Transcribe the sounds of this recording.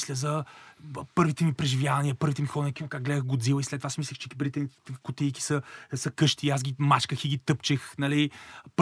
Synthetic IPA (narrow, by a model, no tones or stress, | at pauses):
slʲəzɐ | pɤɾvit̪ɛmipɾɛʒivjavɐniəpɤɾvit̪ɛmixɔnkinokaɡ̚ɡlɛd̪əxɡʊd̪zilˠəislɛt̪ːovasmislʲəxt͡ʃɛ̥kipəɾvʲit̪ɛmikʊt̪ijki̥səsɐkɤʃt̪iːasɡʲimat͡ʃkəxiɡʲit̪ɤpt͡ʃəxnɐlip